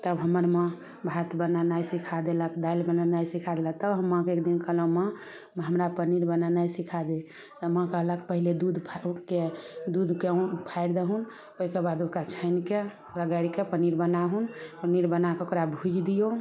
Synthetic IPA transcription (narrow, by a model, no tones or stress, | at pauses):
t̪əbɦəməɾmẽ | bʱat̪bənanajsikʰad̪eləkd̪ajlbənanajsikʰad̪elat̪əbɦəmːə̃kekd̪inkəɦləmə | ɦəmɾapəniɾbənanajsikʰad̪e | t̪əmə̃kəɦləkpəɦiled̪ud̪ʱpʰked̪ud̪ʱkepʰaɪɾd̪eɦun | oikebad̪ukat͡ʃʰəɪnke | ləɡəɾkepəniɾbənaɦunpəniɾbənakeokɾabʱud͡ʒʱd̪ijo